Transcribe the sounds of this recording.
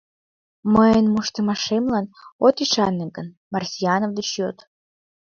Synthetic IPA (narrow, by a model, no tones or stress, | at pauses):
məjənmuʃt̪əmɑʃemlɑnot̪iʃɑnːeɡən | mɑrsʲijɑnovd̪ət͡ɕjot̪